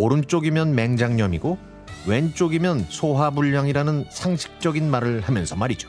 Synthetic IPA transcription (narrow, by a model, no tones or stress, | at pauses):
oɾɯnt͡ɕ͈oɡimjʌnme̞ŋd͡ʑaŋɲʌmiɡo | we̞nt͡ɕ͈oɡimjʌnsʰoɦabuʎːaŋiɾanɯnsʰaŋɕʰi̥k̚t͡ɕ͈ʌɡinmaɾɯɭhamjʌnsʰʌmaɾid͡ʑo̥